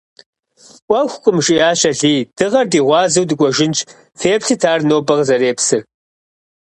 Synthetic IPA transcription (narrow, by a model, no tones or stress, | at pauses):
wʷɐxʷkʷʼʊmʒʼijaːɕɐɮiːd̥ɨʁɐrdiːʁʷɑːzɨwdɨɡʷʼɔʒɪnt͡ʃʰʼ | feːpɬɨtʰaːrnoːbɐʁzɐɾeːpsɨr